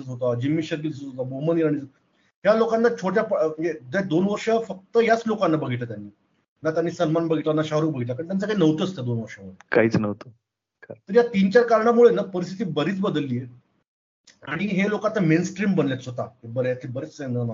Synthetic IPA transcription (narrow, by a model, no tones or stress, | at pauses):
ət͡sɦot̪ad͡ʑimːiɕəɾkiləot̪aboməniɾaɽ̃it͡sə | ɦjalokanːat͡ɕʰoʈjapjed̪ed̪onʋəɾʂəfək̚t̪əjat͡slokanːabəɡʱit̪lət̪janːiː | nat̪janːiːsənmanbəɡʱiʈ̪lanaɕaɦɾuːbəɡʱit̪lakaɳt̪jãnt͡sakainəʋt̪əsot̪ad̪onʋəɾʂəmuɭekaɦiːt͡snəʋt̪o | kət̪əɾjat̪int͡ɕaɾkaɾɳamuɭenapəɾist̪ʰi̥t̪̬iːbəɾiːt͡sbəd̪əlːiːje | aɽ̃iɦelokat̪ːəmensʈɾiːmbənljat͡s̪ɦot̪aebəɾejat̪ʰibəɾet͡sːenəna